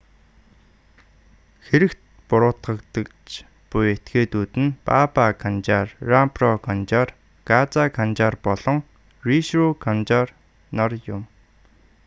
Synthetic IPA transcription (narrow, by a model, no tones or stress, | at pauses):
xeɾɘ̆kt̪ | pʊɾʊːt̪ɢə̆kt̪ə̆kt͡ɕ | pujet̪ɡeːt̪uːt̪ɘ̆npapakʰant͡ɕaːrːamprɔkʰant͡ɕar | kat͡sakʰant͡ɕaːrpɔɮɞ̆ŋ | riʃrukʰant͡ɕar | nɔrjʊm